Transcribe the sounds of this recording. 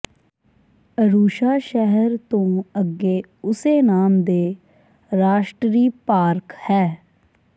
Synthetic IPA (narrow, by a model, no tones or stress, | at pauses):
əɾuːʃaːʃɛɦəɾt̪õːəɡːeː | ʊseːnaːmd̪eː | ɾaːʃʈɾiːpaːɾkhɛː